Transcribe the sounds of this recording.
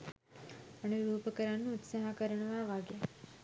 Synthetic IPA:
əɳ̃iɾuːpəkəɾanːuːt̪saɦakəɾəɳʋaʋaɡe

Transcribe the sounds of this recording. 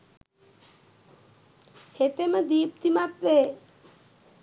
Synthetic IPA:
het̪eməd̪iːp̚t̪imat̪ʋeː

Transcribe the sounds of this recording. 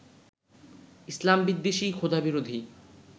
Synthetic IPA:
islambid̪ːeʃikʰod̪abiɾod̪ʱi

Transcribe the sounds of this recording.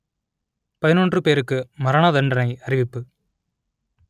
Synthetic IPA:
pɐðɪnondrɯpeːɾɯkːɯmɐɾɐɳad̪ɐɳɖɐnɐɪɐɾɪʋɪpːɯ

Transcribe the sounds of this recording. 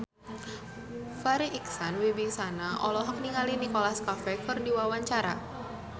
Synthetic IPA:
faɾiʔiksanwibisanaʔɔlɔɦɔk̚niŋalinikolaskafɛkɨrdiwawaɲt͡ʃaɾa

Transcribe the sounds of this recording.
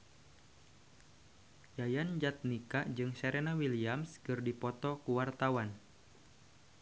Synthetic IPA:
jajand͡ʒat̪̚nikad͡ʒɨŋʃaɾenawiliamskɨrdipɔt̪ɔkuwart̪awan

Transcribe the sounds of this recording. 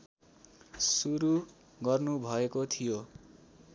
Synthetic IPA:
suɾu | ɡʌrnubʱʌekot̪ʰijo

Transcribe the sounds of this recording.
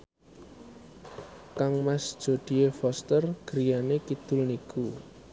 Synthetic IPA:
kaŋmasd̥ʒ̥o̤d̪̥i̤efɔst̪ərɡ̥əɾijanekid̪̥ʊlniku

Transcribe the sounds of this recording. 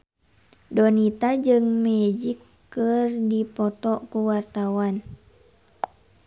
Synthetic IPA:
dɔnit̪ad͡ʒɨŋmɛd͡ʒikː | ɨrdipɔt̪ɔkuwart̪awan

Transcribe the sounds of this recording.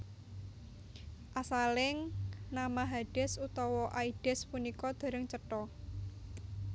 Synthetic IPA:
ʔasalɪŋnamaɦaɖ̥ɛ̤sut̪ɔwɔʔaiɖ̥ɛ̤spunikɔd̪̥a̤ɾəŋt͡ʃəʈɔ

